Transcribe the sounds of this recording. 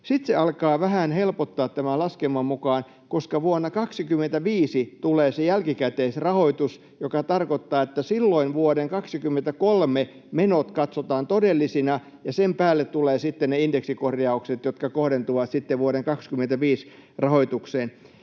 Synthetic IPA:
sit̪seɑlkɑːʋæhænhelpot̪ːɑːt̪t̪æmælɑskemːɑmmukɑːn | koskɑʋuonːɑkɑksikymːˑent̪æʋiːsit̪uleːsejælkikæt̪eːsrɑhoit̪us | jokɑt̪ɑrkot̪ːɑːet̪ːæsilːoinʋuoɾeŋkɑksikymːent̪ækolme | menot̪kɑt̪sot̪ɑːnt̪odelːisinɑ | jɑsempæːlːet̪t̪uleːsit̪ːenneindeksikorjɑukset̪jot̪kɑkohɾent̪uʋɑt̪sit̪ːeʋʋuoɾeŋkɑkskymːˑent̪æʋiːs | rɑhoit̪ukseːn

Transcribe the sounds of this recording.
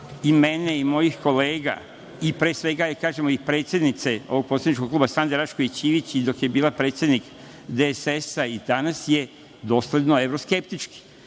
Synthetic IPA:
imeneimo̞jixko̞le̞ːɡa̰ | ipɾe̞ːsʋe̞ɡajekaːʒemoipɾet̪sje̞d̪nit̪seoʋoɡ̚pot̪sʲed̪niʃkokluːbasand̪eɾaʃkoit͡ɕiːʋit͡ɕid̪o̞kje̞biːlˠapɾe̞ːt̪sje̞d̪nik | d̪esesaid̪anasje̞ | d̪o̞ːsled̪noeʋɾoske̞pt̪it͡ʃki̥

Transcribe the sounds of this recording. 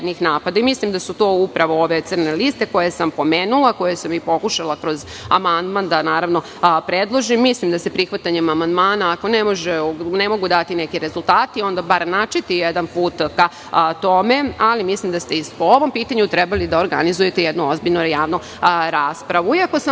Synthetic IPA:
d̪nixnaːpad̪aimislimd̪asut̪o̞ːupɾaʋo̞oʋe̞t̪sɨrne̞list̪e̞ko̞jesampo̞meːnulˠako̞jesamipo̞kuʃalˠakɾo̞z | a̰mand̪mand̪anaːɾaʋno̞ | pɾed̪lˠo̞ʒimːislimd̪ase̞pɾixʋat̪aɲemamand̪maːnaːko̞nemo̞ʒenemo̞ɡud̪at̪inekiɾe̞zulˠt̪aːt̪io̞nd̪abaɾnat͡ʃit̪ijed̪anpuːt̪ka | t̪o̞me̞alimislimd̪ast̪eispooʋo̞mpiːt̪aɲut̪ɾɛbalid̪ao̞ɾɡanizuje̞t̪ejed̪nuo̞zbiʎnujaːʋnu | ɾaːspɾaʋuiako̞sa

